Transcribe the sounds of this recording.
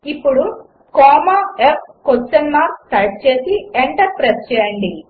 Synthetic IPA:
ipːuɽu | kɔːmaep̚kot͡ʃːɐnːaːɾkt̪ɐʈ̚t͡ʃe̞ːsieɳʈɐɾpɾest͡ʃɛːjɐɳɖi

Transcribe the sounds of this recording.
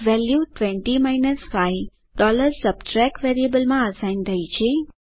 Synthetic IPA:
ʋɛljuʈʋɛ̃ɳʈimainəsfaj | ɖɔləɾsəbʈɾɛkʋɛɾiəbəlmãəsaint̪ʰəit͡ʃʰe

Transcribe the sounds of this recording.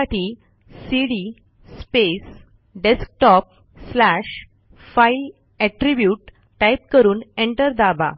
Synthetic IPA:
aʈʰiː | siɽi | spes | ɖesk̚ʈɔp̚ | slæɕ | fail | ɛʈɾibjuːʈ | ʈajp̚kəɾuːneɳʈəɾd̪aba̰

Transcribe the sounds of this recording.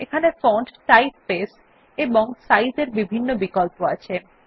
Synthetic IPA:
ekʰanefɔɳʈʈajp̚pes | eboŋsajzeɾbibʱinːobikɔlpoat͡ɕʰe

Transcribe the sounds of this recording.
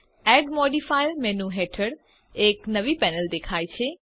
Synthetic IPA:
ɛɖmɔɖifajlmẽnũɦeʈʰəɽ | eknəʋipɛnəld̪ekʰajt͡ʃʰe

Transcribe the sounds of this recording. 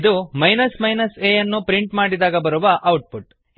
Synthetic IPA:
d̪umɐjnɐsmɐjnɐseːjɐnːupɾiɳʈmaːɽid̪aːɡɐbɐɾuʋɐʔɐwʈ̚puʈ

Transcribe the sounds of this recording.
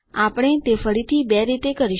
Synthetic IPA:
apɽ̃et̪efəɾit̪ʰibɛɾit̪ekəɾi

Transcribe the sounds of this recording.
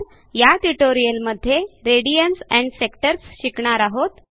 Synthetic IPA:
jaʈuʈoɾijəlməd̪ʱːjeɾeɽijənsɛ̃ɳɖsekʈəɾsɕikɳaɾaɦot̪

